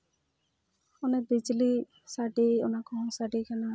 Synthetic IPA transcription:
ɔnɛbid͡ʒli | saɖiɔnakɔ̃saɖikana

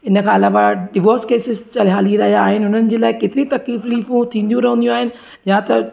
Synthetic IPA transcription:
ɪnəkʰãɐlaːʋaɖɪʋoːɾskeːsɪzt͡ɕɐlɦaːliɾɐɦijaːɦɪnɪ̆ɦʊn̤ənɪ̆d͡ʑeːlaːɪkeːt̪ɪɾit̪ɐkiːfliːfũt̪ʰĩːnd̪ijũɾɐɦə̃nd̪ijũaːɦɪnɪ̆ | jãt̪ɐ

